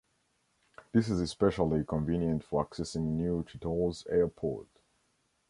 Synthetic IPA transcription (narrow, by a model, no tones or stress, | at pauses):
ðɪs̬ɨzɨspɛʃəl̩ˠikʰɔ̃ɱvĩnjə̃ntfə˞aksɛsɪ̃ŋnjutʰɨtʰɔlˠzɛɹpʰɔ̰ɹt